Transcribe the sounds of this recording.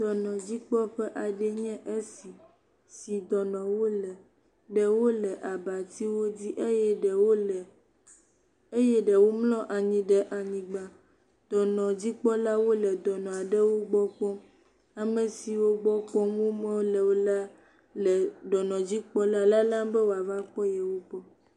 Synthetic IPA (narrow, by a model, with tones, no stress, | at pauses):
d̪ɔ˨nɔ̃˨d͡ʑi˦k͡pɔ˦ɸɛ˦ʔa˨ɖɛ˦ɲɛ̃˦ʔe˦si˨ | si˨d̪ɔ˨nɔ̃˨wo˦lɛ˨ | ɖɛ˨wo˦lɛ˨ʔa˨ba˨t̪i˦wo˦di˦ʔe˦jɛ˦ɖɛ˨wo˦lɛ˨ | e˦jɛ˦ɖɛ˨wo˦mlɔ̃˦ʔa˨ɲĩ˨ɖɛ˦ʔa˨ɲĩ˨ɡ͡ba˨ | d̪̥ɔ˨nɔ̃˨d͡ʑi˦k͡pɔ˦la˦wo˦lɛ˨d̪ɔ˨nɔ̃˨a˨ɖe˦wo˦ɡ͡bɔ˦k͡pɔ̃˦ | a˨mẽ˨si˨wo˦ɡ͡bɔ˦k͡pɔ̃˦mwo˦mɛ̃˦wo˦lɛ˨wo˦la˦ | lɛ˨ɖɔ˨nɔ̃˨d͡ʑi˦k͡pɔ˦la˦la˦lã˦mbɛ˦wo˨a˨va˦k͡pɔ˦jɛ˨wo˦k͡pɔ˦